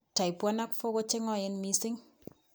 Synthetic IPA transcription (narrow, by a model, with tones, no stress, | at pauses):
ta˨i˨pwɔ˦na˦kfo˦ko˦t͡ʃɪ˦ŋɔ˦ɪ˦nmi˦sɪ˦ŋ